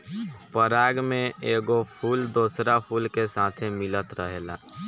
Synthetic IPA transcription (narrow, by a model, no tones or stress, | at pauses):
pəɾaːɡmẽeːɡopʰuːld̪oːsɾapʰuːlkesaːt̪ʰemɪlət̪ɾəɦeːla̰ː